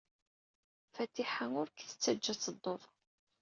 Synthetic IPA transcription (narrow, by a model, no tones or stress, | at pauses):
fæt̪ːiħaŋʊɾkθə̥t͡sːæd͡ʒːæt͡sːəd̪ˤːoðˤ